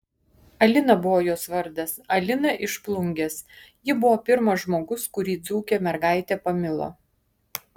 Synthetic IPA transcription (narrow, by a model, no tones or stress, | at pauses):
ɐlʲɪnɐbʊʋoːjoːsʋɐɾʲd̪ɐsɐlʲɪnɐʔɪʃplˠʊŋʲɡʲesjɪbʊʋoːpʲɪɾmɐʒmoːɡʊskʊɾʲiːd̪zuːkʲɛmʲɛɾɡɑˑɪt̪ʲɛpɐmʲɪlˠo̰ː